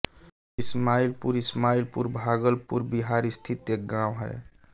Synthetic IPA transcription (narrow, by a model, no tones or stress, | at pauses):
ɪsmailpuɾɪsmailpuɾbʱaɡəlpuɾbiɦaɾɪst̪ʰit̪ek̚ɡãwɦɛ̰